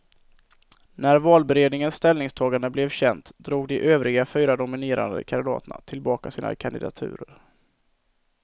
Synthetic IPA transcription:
næɾvɑːlbɛɾeːd̪nɪŋənst̪ɛlnɪŋst̪ʰɑːɡand̪əblɛvɕɛnt̪d̪ɾuːɡd̪ɪʔøːvɾɪɡafyːɾad̪ʊmɪneːɾa̰nd̪ə̰kʰand̪ɪd̪ɑ̰ːt̪na̰t̪ʰɪlbɑːkasiːna̰kʰand̪ɪd̪a̰t̪ʰʉ̟̰ːɾəɾ

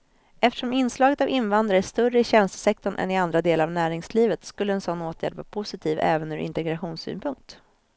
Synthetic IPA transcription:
ɛft̪ə̥ʂɔmɪnːslɑːɡət̪avɪnːvand̪ɾaɾæʂt̪ɵrəɪɕɛnst̪ə̥sɛk̚t̪ɔɳʔɛ̰nɪand̪ɾad̪eːlaɾavnæːɾɪŋsliːvət̪skɵlːəɛnsɔnːoːt̪ʰjæ̰ːɖvɑ̰ːɾpʰʊsɪt̪ʰiːvɛ̰ːvənʉːɾʔɪ̰nt̪ɛɡɾaɧuːnsy̰ːnpʰɵŋk̚t̪

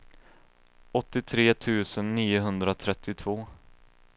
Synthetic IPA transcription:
ɔt̪ːɪt̪ʰɾeːt̪ʰʉ̟ːsənːiːʊɦɵnd̪ɾat̪ʰɾɛt̪ːɪt̪ʰvoː

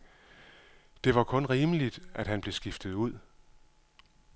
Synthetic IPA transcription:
d̥e̝ʋɑ̈kʰɔ̽nʁiːməlid̥æd̥ɦænb̥le̝sɡ̥ifd̥ð̩ˠuð̰ˠ

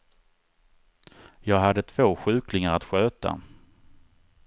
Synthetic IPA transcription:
jɑːɡɦad̪ːət̪ʰv̥oːɧʉ̟ːklɪŋaɾat̪ɧøːt̪a̰

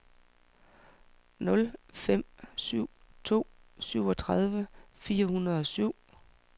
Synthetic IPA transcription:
nɔ̽lfem̰syʊ̰t͡sʰo̝̰ː | syʊ̰ɒ̽t͡sʰʁɑð̞ˠʋəfiːɐhunɐð̞ˠɒ̽syʊ̰

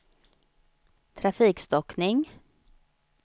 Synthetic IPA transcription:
t̪ʰɾafiːkst̪ɔknɪŋ

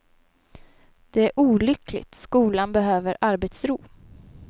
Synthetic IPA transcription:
d̪̥ɛæɾʔuːlʏklɪ̰t̪skuːlanbɛɦøːvəɾʔaɾbɛt̪sɾuː

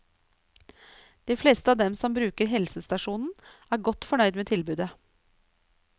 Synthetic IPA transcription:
d̪̥iːfleːst̪əɑːʋd̪ɛmsɔmbɾʉːkəɾɦɛlsəst̪ɑʂuːnn̩æːɾɡɔt̪fɔɳœʏd̪meːt̪ʰɪlbʉːd̪ə

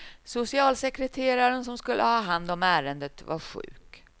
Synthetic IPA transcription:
sʊsɪɑːlsɛkɾɛt̪ʰeːɾaɾənsɔmskɵlʔə̰hɑːɦand̪ɔmæːɾənd̪ət̪va̰ɾɧʉ̟̰ːk

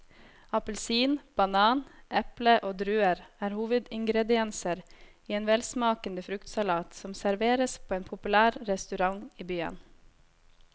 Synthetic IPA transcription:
ɑpəlsiːnb̥ɑnɑːnʔɛpləʔoːd̪ɾʉːəɾæːɾhuːʋəd̪ɪŋɡɾɛd̪ɪɛnsəɾ | iːeːnʋɛlsmɑːkənd̪əfɾʉkt̪sɑlɑːt̪sɔmsæɾʋeːɾəspʰoːeːnpʰʊpʉlæːɾɾɛst̪ʉɾɑŋiːbyːə̰n

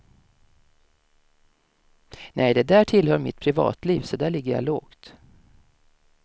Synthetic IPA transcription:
nʔɛjd̪ɛd̪æːʈʰɪlhœɾmɪ̰t̪̚pʰɾɪvɑ̰ːt̪ʰliːvsɔd̪æːɭɪɡːəɾja̰loːɡt̪

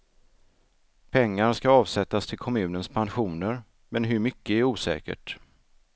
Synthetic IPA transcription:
pʰɛŋːaɾskaɑːvsɛt̪ːast̪ʰɪlkʰɔmʉ̟ːnənspʰanɧuːnəɾ | mɛnɦɵɾmʏkːəæɾuːsɛ̰ːkə̰ʈ

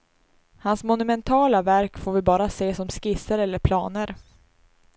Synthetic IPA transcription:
hansmʊnɵmɛnt̪ʰɑːlavæɾkfoːɾvɪbɑːɾaseːsɔmskɪsəɾɛlːəɾpʰlɑːnəɾ

